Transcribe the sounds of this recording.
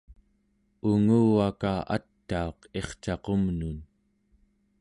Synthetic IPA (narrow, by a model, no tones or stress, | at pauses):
uŋuːwakaat̪ːao̞qe̞χt͡ʃɑqomnun